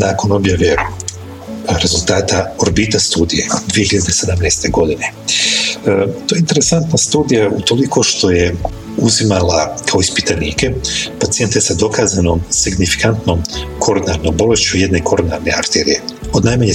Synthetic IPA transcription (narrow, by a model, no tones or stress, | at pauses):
naːko̞no̞bjaʋe | ɾe̞zulˠt̪aːt̪aoɾbit̪ast̪uːd̪ije̞̰d̪ʋijehiʎad̪esed̪amneːst̪e̞ɡo̞d̪ine̞ | t̪ojeint̪e̞ɾe̞sant̪nast̪uːd̪ijaut̪o̞liko̞ʃt̪o̞je | uzimalakʰao̞ispit̪aniːke̞pat̪sije̞nt̪esad̪o̞kaːzano̞msiɡnifi̥kant̪no̞mkʰo̞ɾonaɾnombo̞le̞ʃt͡ɕuje̞d̪ne̞kʰo̞ɾona̰ɾne̞̰a̰kt̪eɾḭje̞od̪najmaɲe